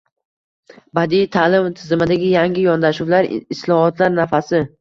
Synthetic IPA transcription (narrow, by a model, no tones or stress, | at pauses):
bad̪ijt̪ʰalɪmt̪ʰɪzɪmad̪aɡʲɪjaŋɡʲɪjɒnd̪aʃuwlaɾɪslˠɒhɒt̪laɾnafasɪ